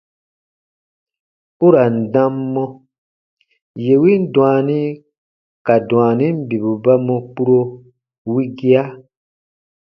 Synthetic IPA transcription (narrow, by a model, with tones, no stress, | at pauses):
u˦ɾa˨n̩˨dã˦mːɔ̃˦ | je˨wi˦n˦dũwaː˨nĩ˦ | ka˨dw̃aː˨nĩ˦m̩˦bi˨bu˨ba˦mɔ̃˧k͡pu˦ɾo˧ | wi˦ɡi˦a˦